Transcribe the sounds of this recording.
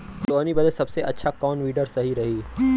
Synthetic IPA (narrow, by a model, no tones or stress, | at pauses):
t̪oɐnibɐd̪esɐbseʔɐtːʃʰakɔːnʋiːɖəɾsɐɦiɾɐɦiː